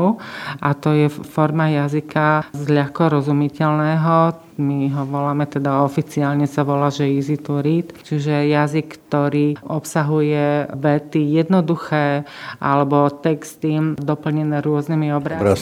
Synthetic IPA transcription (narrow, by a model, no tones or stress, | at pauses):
uʔat̪ɔjɛfɔɾmajazikazʎaxkɔɾɔzumicɛʎnɛːɦɔ | miɦɔʋɔlaːmɛt̪ɛd̪aɔfit͡siaːlɲɛsaʋɔlaːʒɛizit̪uɾiːt̪t͡ʃiʒɛjazikt̪ɔɾiːʔɔpsaɦujɛʋɛt̪ijɛd̪nɔd̪uxɛːʔa̰lɛbɔt̪ɛkst̪id̪ɔpl̩ɲɛnɛːɾʊɔznimiɔbɾaɾa